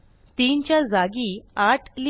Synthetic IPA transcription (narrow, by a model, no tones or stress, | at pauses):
t̪iːnt͡ɕjad͡zaɡiːaʈʰli